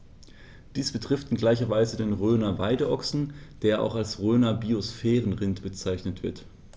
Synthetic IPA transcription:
d̥iːsb̥ətʁ̥ɪftɪnɡlaɪçɐvaɪzədeːnʁøːnɐvaɪdəʔɔksn̩d̥eːɐʔa̰ʊxalsʁøːnɐbiosfɛːʁən̩ʁɪntb̥ət͡saɪçnətv̥ɪɐt

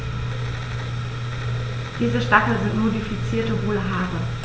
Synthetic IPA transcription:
d̥iːzəʃtakl̩zɪntnmodifit͡siːɐtəvoːləɦaːʁə

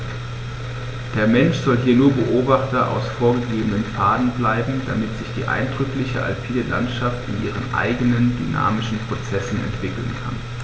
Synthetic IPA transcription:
d̥eːɐmɛnʃz̥ɔlɦiːɐnuːɐbəʔoːbaχtɐʔa̰ʊsfoːɐɡəɡeːbənənfaːdn̩blaɪbm̩d̥a̰mɪtz̥ɪçd̥iːʔa̰ɪndʁʏklɪçə̰ʔa̰lpʰiːdəla̰ntʃaftɪnʔiːʁ̞ənʔa̰ɪɡənəndy̰na̰ːmɪʃn̩pʁ̥ot͡sɛsn̩ɛ̰ntv̥ɪkl̩nkʰa̰n

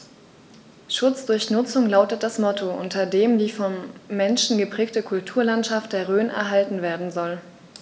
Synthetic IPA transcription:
ʃʊt͡sd̥ʊɐçnʊt͡sʊŋlaʊtət̚d̥asmɔtʰoʔʊ̰ntʰɐdeːmdiːfɔnːɛnʃn̩ɡəpʁ̥ɛːk̚təkʰʊltʰuːɐlantʃaft̚d̥eːɐʁøːnɛ̰ɐɦaltn̩veːɐdn̩zɔl

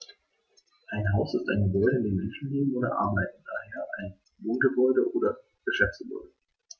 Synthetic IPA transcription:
ʔaɪnɦaʊsɪsta̰ɪnɡəbɔʏɾəɪndeːmɛnʃn̩leːbm̩ʔoːɾɐ̰ʔa̰ɐbaɪt̚n̩d̥aːheːɐʔaɪn | voːnɡəbɔʏɾəʔoːdɐ | ɡ̥əʃɛft͡sɡ̥əbɔ̰ʏdə

